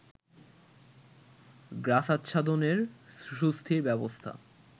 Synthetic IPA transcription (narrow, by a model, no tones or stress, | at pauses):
ɡɾasat̪ːɕʰad̪oneɾʃust̪ʰiɾbɛbost̪ʰa̰